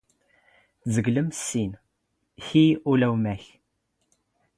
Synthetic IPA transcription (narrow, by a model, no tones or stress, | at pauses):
θzəɡləmsːin | çiulæwmæç